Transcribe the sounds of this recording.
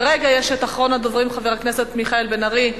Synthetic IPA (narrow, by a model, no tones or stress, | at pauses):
ʁeɡajeʃet̪aχʁo̞nad̪ovʁimχaveʁakne̞se̞t̪miχaelbenaʁi